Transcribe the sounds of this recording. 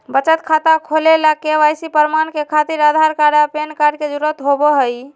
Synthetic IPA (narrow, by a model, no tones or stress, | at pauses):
bət͡ʃət̪kʰat̪akʰolelakeʋajsipəɾmankekʰat̪iɾad̪ʱaɾkaɾapenkaɾɖ̚ked͡ʒuɾət̪ɦobɔɦəj